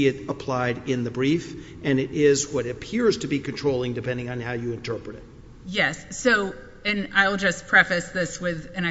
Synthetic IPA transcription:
ɨɾəpʰl̥aɪɾɪ̃nðɨbɹif | ɨ̃nɪɾʔɪzwʌɾɨpʰɪɹz̥tʰɨbikɨ̃ntʰɹ̥oʊlˠɪ̃ŋdɨpʰɛ̃ndɪ̃ŋɨ̃nhaʊjɨɨ̃ntʰɜ˞pɹɨɾɨt̚ | jɛsːoʊ | ɨ̃naɪlˠd͡ʒʌspʰɹ̥ɛfɨsðɪswɪðɨ̃ñaɪ

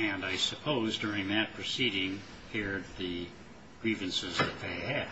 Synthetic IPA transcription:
ɨ̃naɪsɨpʰoʊzdʊɹɪ̃ŋðɨt̚pʰɹ̥ɨsiɾɪ̃ŋ | kʰɛɹd̪̚ðɨ | ɡ̥ɹivɨ̃nsɨzðɨt̪̚ðeɪɨd̥

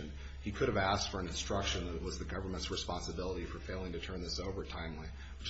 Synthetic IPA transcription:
n | ikʰʊɾɨvæstfə˞ɨ̃nɨ̃nstɹ̥ʌkʃɨ̃nðɨɾɨʔ̚wʌzðɨɡʌvə˞mɨ̃ntsɹɨspɑ̃nsɨbɪlˠəɾifə˞feɪlˠɪ̃ŋtɨtʰɜ̃˞nðɪsoʊvə˞tʰãɪ̃mli | wɨt͡ʃ

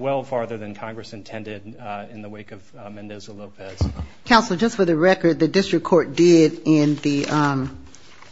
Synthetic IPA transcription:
wɛlˠfɑɹðə˞ðɨ̃nkʰɑ̃ŋɡɹɨsɨ̃ntʰɛ̃ndɪɾɪ̃nðəweɪkʌv | mɛ̃ndɛzəloʊpʰɛz̥kʰãʊ̃nsl̩ˠd͡ʒʌstfə˞ðɨɹɛkə˞d̪̚ðɨdɪstɹ̥ɨkʰːɔɹt̚d̥ɪɾɪ̃nðiʔʌ̃m

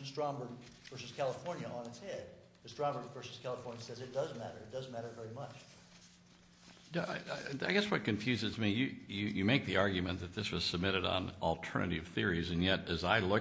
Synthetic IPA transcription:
stɹ̥ɑ̃mbə˞d̚ | v̥ɜ˞sɨskʰælˠəfɔɹnjɨʔə̃nɨtshɛd̚ | ðɨstɹ̥ɑ̃mbə˞dvɜ˞sɨ̥skʰælˠəfɔɹnjɨsɛzɨt̚d̥ʌzmæɾə̰˞ɨt̚d̥ʌzmæɾə˞vɛɹimʌt͡ʃ | naa̰ɪɡɛswʌt̚kɨ̃ɱfjʉzɨzmijɨjɨjɨmeɪk̚ðiɑɹɡjɨmɨ̃nðɨt̪̚ðɪswʌz̥səb̚mɪɾɨɾn̩l̩ˠtʰɜ̰˞nɨ̰ɾɨv̥θɪɹizɨ̃njɛɾɨzaɪlʊ

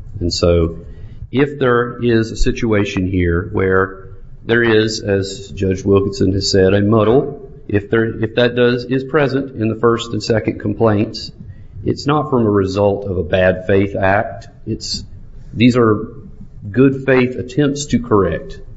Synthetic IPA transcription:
ɨ̃nsoʊ | ʔɪfðə˞ɪzɨsɪt͡ʃueɪʃɨ̃nɦiɹwə˞ | ðə˞ɪzɨzd͡ʒʌd͡ʒwɪlˠkɨ̃n̩sɨ̃nɨz̥sɛɾɨmʌɾl̩ˠ | ʔɪfðə˞ɪfðɨt̚d̥ʌzɪz̥pʰɹ̥ɛzɨ̃ntɨ̃nðəfɜ˞stn̩sɛkɨ̃nkʰm̩pʰl̥ẽɪ̃nts | ʔɨ̰tsnətfɹʌ̃məɹɨzʌlˠtʰʌvəbæd̥feɪθæk̚t | ɪts | ðizə˞ | ɡʊd̥feɪθɨtʰɛ̃mp̚tstʰɨkʰə˞ɛk̚t̚

